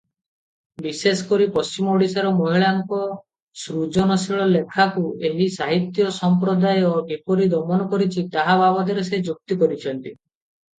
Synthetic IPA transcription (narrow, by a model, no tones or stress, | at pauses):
bisesɔ̥kɔɾipɔst͡ʃimɔoɽisaɾɔmoɦiɭaŋkɔ | sɾud͡ʒɔnɔsiɭɔlekʰakueɦisaɦit̪jɔsɔmpɾɔd̪ajɔkepɔɾid̪ɔmɔnɔkɔɾit͡ʃʰit̪aɦababɔd̪iɾesed͡ʒuk̚t̪ikɔɾit͡ʃʰɔnt̪i